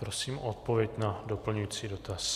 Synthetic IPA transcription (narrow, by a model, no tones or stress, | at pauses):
pɾosiːmʔot̪̚povjɛcnadopl̩ɲujiːt͡siːdo̞t̪as